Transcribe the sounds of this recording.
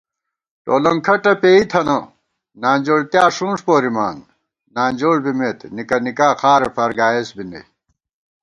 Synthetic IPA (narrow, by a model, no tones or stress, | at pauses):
ʈo̰ːlɐŋkʰɐʈɐpeːit̪ʰɐnɐ | naːnd͡ʑoːɽt̪jaːʂũːnʂpoːɾimaːn | naːnd͡ʑoːɽbimeːt̪nikɐnikaːxaːɾefɐɾɡaːesbinɐ̰j